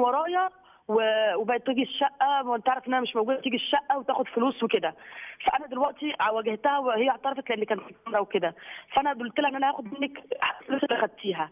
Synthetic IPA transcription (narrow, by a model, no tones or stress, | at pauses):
wɑɾˤɑːjɑ | wewebæt̪iːɡiʃːæʔːæent̪ːaʕɾˤɑfʔenʔænæmeʃmowɡud̪æt̪iːɡiʃːæʔːæwet̪æːxod̪foluːsweked̪æfæʔænæd̪elwæʔt̪iʕawæɡeht̪æhæwhejːʕt̪ɑɾˤɑfɑt̪leʔenːikæːnt̪lkæmɾˤɑweked̪æfæʔænæd̪uːlt̪elæʔenːʔænæhæːxod̪menːækħaʔfluːsæbʔæxæd̪̚t̪ʰːiːɦæ